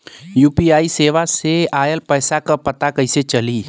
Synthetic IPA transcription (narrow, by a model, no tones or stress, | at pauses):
juːpiaːiseːʋaseaːjəlpəɪsakəpət̪akəɪset͡ʃəli